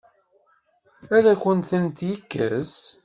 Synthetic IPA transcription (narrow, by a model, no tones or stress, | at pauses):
æðæçʷənθənt̪jəkːə̰z